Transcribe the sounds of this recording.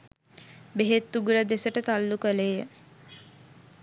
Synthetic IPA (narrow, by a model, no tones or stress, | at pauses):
beɦet̪ːuɡuɾəd̪esəʈət̪alːukəlejə